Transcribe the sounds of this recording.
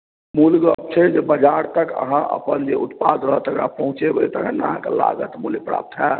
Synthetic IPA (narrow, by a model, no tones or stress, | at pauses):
mulɡə̰p̚t͡ʃʰəd͡ʒebəd͡ʒaɾt̪əkə̰ɦãʔə̰pənd͡ʒeut̪pad̪ɾəɦət̪əɡɾapəɦũt͡ʃebɦojt̪əɡənaɦãkela̰ɡət̪mulɡpɾa̰ːp̚t̪ɦɛ